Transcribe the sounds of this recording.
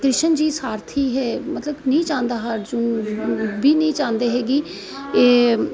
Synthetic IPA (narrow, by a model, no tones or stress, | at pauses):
kɾɪʃənd͡ʒiːsaːɾt̪ʰiːɦɛːmət̪ləbnəĩːt͡ʃãːnd̪aːɦaɾd͡ʒʊn | biːnəĩːt͡ʃãːnd̪eːɦɛːɡiː | eː